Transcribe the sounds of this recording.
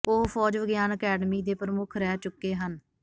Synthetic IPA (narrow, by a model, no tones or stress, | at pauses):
ʊɦpʰɔːd͡ʒʋəɡjaːnəkɛːɖmiːd̪eːpəɾəmʊkʰɾɛːt͡ʃʊkːeːɦən